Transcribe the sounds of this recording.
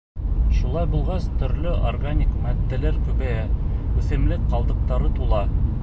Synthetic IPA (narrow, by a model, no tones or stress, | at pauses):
ʃulˠɑjbulˠʁɑst̪ɵ̆ɾlɵʔorɡanʲikmæt̪ːɘ̆læɾkʉβæjæɵ̆θɘ̆mlɘkqɑlˠd̪ɤ̆q̚t̪ɑɾɤt̪ulˠɑ